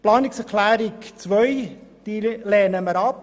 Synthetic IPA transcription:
plɑːnɪksɛkʰlæːɾikt͡sʋœjd̪̥ilɛːnəməɾɑp

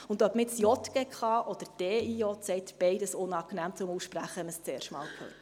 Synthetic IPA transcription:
ʊnd̪œpmɪtsjɔt̪ɡ̥ɛkχɑʔɔd̥̪əɾd̥ɛːijɔt̪sɛɪt̪b̥ɛɪdəsʊnɑknæːmt͡sʊmusʃpɾæχəhɛməst͡seːɾʃtmɑ̰ːlkʰø̰ːt

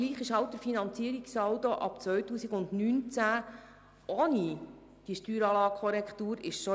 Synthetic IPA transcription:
liːχɪʃhɑʊt̚d̥̪əɾfinɑnt͡siəɾiksɑʊt̪oʔɑ̰pt͡sʋœɥtuːsiɡʊndnynt͡sæ | oni | d̥iːəʃtyːɾɑːlɑːɡ̚kʰχɔɾɛkχt̪uːɾɪ̰ʃʃɔ

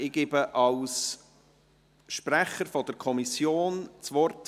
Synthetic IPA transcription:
ɪɡ̥eːbəʔɑls | ʃpɾæχəɾfɔd̥əɾkʰɔmisjoːnt͡svɔrt

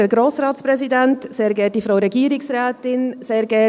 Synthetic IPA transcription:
əɡɾoːsrɑːsprɛsidɛntseːɾɡɛːdifɾaʊɾɛɡiːɾɪksrɛːtɪnseːɾɡɛ

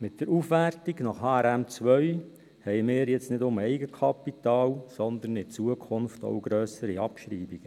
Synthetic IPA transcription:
mɪt̚d̥̪əɾufʋærtiɡnɑχhɑːɛɾæmt͡sʋœɥ | hɛjmɪːɾjɛt͡snɪdʊmɛɪɡəkʰɑpit̪ɑːlsɔnd̪ənɪt͡suəkʰʊnfto̰ʊɡɾøːsəɾiɑpʃɾiːbiɡ̥ə

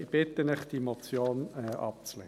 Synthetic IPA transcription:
ɪb̥ɪt̪ənɪχd̥̪imot͡sjoːnɛʔɑ̰p̚t͡slɛ̰

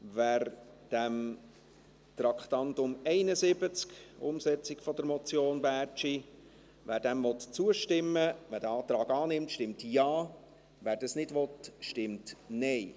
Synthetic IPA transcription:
væːɾ | d̥æm | t̪ɾɑkχt̪ɑntʊmɛɪnəzɪbət͡skʊ̰msɛt͡sɪkfɔd̪əɾmɔt͡sjoːnbæːɾt͡ʃi | ʋæːɾdæmvɔt̪t͡suəʃtɪmːəʋæːɾdəɑːt̪ɾɑːɡɑːnɪmtʃtɪmtjɑː | ʋæːɾd̥ɑsnɪdʋɔt̪ʃtɪmtnɛɪ

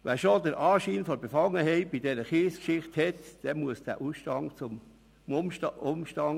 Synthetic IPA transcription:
ʋɛːʃodəɾʔɑːʃiːnfɔbefɑŋəɦɛɪbidɛɾəχiːskʃɪχthɛtd̥ɛmuəsd̥æ̰ːʔuʃtɑŋt͡sʊm | ʊmʊmʃtɑŋ

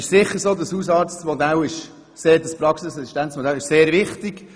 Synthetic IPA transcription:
ɪʃsɪχːəɾsoːd̪əshuːsɑːɾt͡smɔd̪ælɪʃ | seːɾdəspɾɑksɪsɛsi̥ʃtɛnsmɔd̪ælɪʃseːɾʋɪχtɪɡ̥

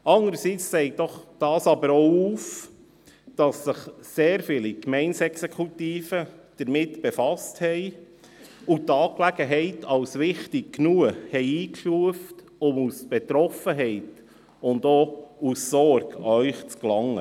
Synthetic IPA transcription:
ɑŋəɾsit͡ssɛɪk̚d̥ɔχd̥ɑːsɑbəɾowuːf | d̥ɑsɪχseːɾfiːlikmɛɪnsɛksekʰutiːfəd̥əɾmɪtb̥efɑsthɛɪ | utɑːklæɡ̥əɦɛɪtʰɑwsʋɪχtɪk̚knuəhɛɪiːkʃuəft | ʊmusb̥etɾɔfəɦɛɪt | ʊndoːusːɔrɡœʏχt͡sklɑŋːə̰

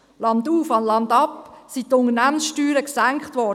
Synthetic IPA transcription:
lɑnduːfɑnlɑnd̪ɑpsitːʊnənæmənsʃtyːɾəksæŋkχtʋɔː

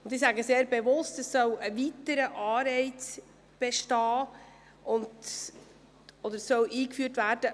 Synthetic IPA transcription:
ʊndɪsæɡəseːɾbevʊstəsːœwəvitəɾəʔɑːɾɛɪt͡s | b̥ɛʃtɑː | ʔʊnd | ɔd̪əɾsœwʔiːkfyːrtvæːɾd̥ə

